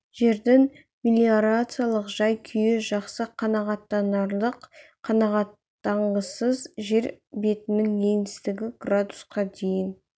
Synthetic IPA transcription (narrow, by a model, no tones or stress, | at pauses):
ʒ̥e̞ɾd̪eŋ | milʲioɾat̪sɨjalˠəqʒ̥ɑjkʲʰʏjɪʒɑqsəqʰɑnɑʁɑt̪ːɑnɑɾlˠəqqʰːɑnɑʁɑt̪ː | ɑɴʁəsəzʒe̞ɾ | be̞t̪ɪnɪŋne̞ɪst̪ɪɡʲɪɡrad̪usqɑd̪e̞jɪn